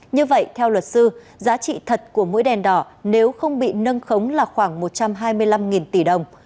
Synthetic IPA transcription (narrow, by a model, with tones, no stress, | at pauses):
ɲɨ˧və̰˧˨jt̪ʰɛ˧wlwə˨˩t̚sɨ˧ | zaː˨˦t͡ɕḭ˧˨t̪ʰə˨˩t̚ku˧˩əmo̰˧˥jɗɛ˨˩nɗɔ˧˩ne˨˦wxə˧wŋ͡mɓḭ˧˨nə˧nxə˨˦wŋ͡mlaː˨˩xwaː˧˩ŋmo˨˩t̚t͡ɕa˧mɦaː˧jmɨ˧əjla˧mŋi˨˩nt̪i˧˩ɗə˨˩wŋ͡m